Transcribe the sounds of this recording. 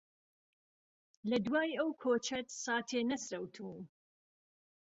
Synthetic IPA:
lɐd̪waːjɐwkʰoːt͡ʃʰɐt̪sɑːt̪ʰeːnɐsɾɐwt̪ʰuːm

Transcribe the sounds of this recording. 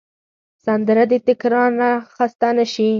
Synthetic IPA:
sand̪əɾad̪et̪ɪkɾɑɾnaxast̪anaʃi

